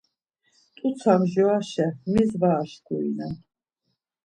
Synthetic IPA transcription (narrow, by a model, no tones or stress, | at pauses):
t̪ʼut̪sʰamʒɔaʃɛmizvaːʃɡuḭna